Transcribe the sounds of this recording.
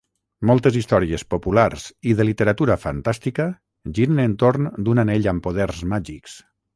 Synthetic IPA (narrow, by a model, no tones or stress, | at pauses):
mɔlˠt̪əzist̪ɔɾiəspopularz̥iðəlit̪əɾat̪uɾəfa̰nt̪ast̪ikə | ʒiɾənent̪oɾnd̪unaneʎəmpoð̞ɛrzmaʒiks